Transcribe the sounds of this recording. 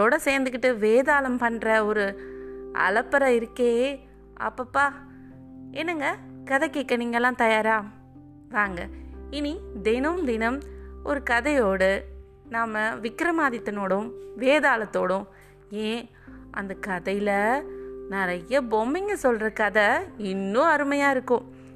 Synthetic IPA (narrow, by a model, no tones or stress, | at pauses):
ðoːɽɐseːɾnd̪ɯk̬ːɪʈːɯʋeːðaːlɐmpɐɳːɾɐɔɾɯ | ɐ̰lɐpːɐɾɐɪɾɯkːeː | ɐ̰pːɐpːaː | ɛnːɐŋɡɐkɐðɛkːeːkːɐniːŋɡɐɛlːãːt̪ɐjaːɾaː | ʋaːŋɡɐɪnid̪ɛnɐmd̪ɪnɐmɔɾɯkɐðɐjoːɽɯ | naːmɐʋɪkɾɐmaːðɪt̪ːɐnoːɽʊ̃mʋeːðaːlɐt̪ːoːɽʊ̃ | ẽː | ʔɐnd̪ɐkɐðɐjɪlɐnɪɾɐjɐbɔmbɪŋɡɐsɔlɾɐkɐðɐɪnːʊ̃ɐɾɯmɐjaːɪɾɯkːʊ̃